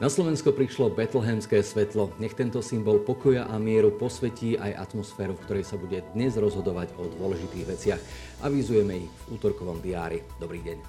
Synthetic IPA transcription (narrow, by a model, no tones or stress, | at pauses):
naslɔʋɛnskɔpɾiʃlɔbɛt̪l̩ɦɛmskɛːsʋɛt̪lɔɲɛxt̪ɛnt̪ɔsimbɔlpɔkɔjaʔamɪɛɾupɔsʋɛciːʔajʔa̰t̪mɔsfɛːɾufkt̪ɔɾɛjsabuɟɛd̪ɲɛzɾɔzɦɔd̪ɔʋaɟɔd̪ʊɔlɛʒit̪iːɣʋɛt͡sɪax | ʔaʋizujɛmɛivuːt̪ɔɾkɔʋɔmd̪iaːɾid̪ɔbɾiːɟɛɲ